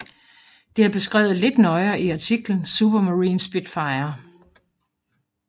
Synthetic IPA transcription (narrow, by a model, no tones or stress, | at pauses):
d̥e̝æɐb̥e̝sɡ̥ʁɛ̰ːʊð̩ˠle̝d̥nɒɪɐːʔiɑ̈t͡sʰiɡ̥ln̩sub̥ɐmæʁiːnsb̥id̥fɑ̈ɪɐ